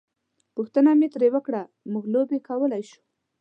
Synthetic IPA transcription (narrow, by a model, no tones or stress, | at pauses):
puxt̪ənamet̪ɾewəkɽa | muɡlobekawəlajʃu̥